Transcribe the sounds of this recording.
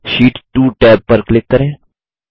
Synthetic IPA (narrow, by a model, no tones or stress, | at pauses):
ʃiːʈʈuːʈɛːp̚ːəɾklɪkːəɾẽː